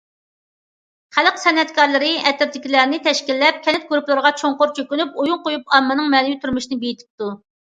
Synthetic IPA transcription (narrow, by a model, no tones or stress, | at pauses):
χælˠəqsɛnɛt̪kʰɑɾlˠɨɾɪɛt̪ɪɾt̪ɪkʲilæɾnɪt̪ʰɛʃkʲilːɛp̚kʲʰɛnɛt̪̚ɡuɾuplˠɨɾəʁɑt͡ʃʰoŋqʊɾt͡ʃʰøkʲynyp̚ujuŋqojupɑmːɨnɨŋmɛnɪjyt̪ʰyɾmɪʃinɪbejit̪ʰɪ̥p̚t̪u